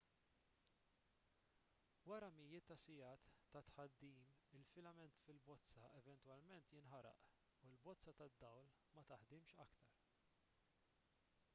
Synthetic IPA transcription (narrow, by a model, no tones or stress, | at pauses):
wɐɾɐmɪjːɪt̪ːɐsɪjɐːt̪ːɐt̪ħɐd̪ːiːmɪlfɪlɐmɛnt̪fɪlbɔt͡sːɐɛvɛnt̪wɐlmɛnt̪jɪnħɐɾɐ̰ʔ | ulbɔt͡sːɐt̪ɐd̪ːɐwl | mɐt̪ɐħd̪ɪmʃɐkt̪ɐɾ